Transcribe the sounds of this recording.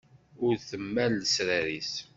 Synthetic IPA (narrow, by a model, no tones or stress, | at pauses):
ʊɾθəmːælːəsɾæɾis